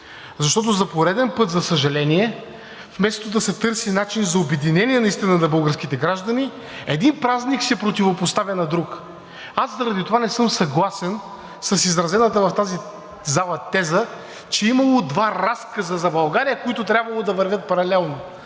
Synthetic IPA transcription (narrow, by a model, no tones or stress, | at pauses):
zɐʃt̪ɔt̪̬ʊzɐpoɾɛd̪ɛnpɤt̪zɐsəʒɐlɛniɛ | fmɛst̪od̪ɐsɛt̪ɤɾsinat͡ʃinzɐobɛd̪inɛniɛnɐist̪inənɐbɤlˠɡəɾsk̟it̪ɛɡɾaʒd̪ɐni | ɛd̪inpɾazniksɛpɾot̪ivopost̪avʲɐnɐd̪ɾuk | aszɐɾɐd̪it̪ovanɛsɤmsɐɡlˠasɛn | sɐsizɾɐzɛnət̪əvɐft̪azi | zalˠɐt̪ɛzə | t͡ʃɛimɐlˠod̪vaɾaskəzəzɐbɐlˠɡaɾijəkoit̪ʊt̪ɾʲabvɐlˠod̪ɐvɐɾvʲət̪̚pɐɾɐlɛlˠno